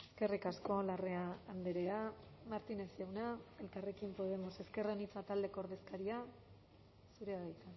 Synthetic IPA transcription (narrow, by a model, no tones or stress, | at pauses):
eske̞rikasko̞lare̞aːnd̪eɾe̞amaɾt̪ine̞sawnae̞lkare̞kimpo̞ð̞e̞mose̞ske̞ronit͡sat̪ald̪e̞ko̞ːɾðe̞skaɾia | suɾe̞aβajt̪a